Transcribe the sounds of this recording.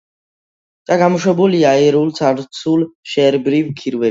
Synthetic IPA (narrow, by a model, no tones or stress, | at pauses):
d̪̥aɡamɔʃwɛbuliaɛɾult̪sʰaɾt̪sʰulʃɛɾbɾivkʰiɾvɛ